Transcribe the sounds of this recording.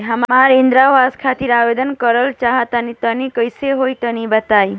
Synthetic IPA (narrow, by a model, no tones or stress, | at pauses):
ɦəmmaɾĩnd̪ɾaʋaskʰat̪iɾaʋed̪ənkəɾəlt͡ʃaɦət̪anit̪ənikəjseɦojt̪ənibət̪aːi